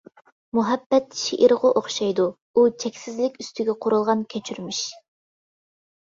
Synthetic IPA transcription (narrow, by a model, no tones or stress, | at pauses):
muɦɛbːɛt̪ʃiʔiɾʁʊʔoχʃɑjd̪u | ut͡ʃʰɛkʲsɪzlɪkʲyst̪ʰyɡʲɛqʰoɾulˠʁɑnkʲʰøt͡ʃʰyɾmiʃ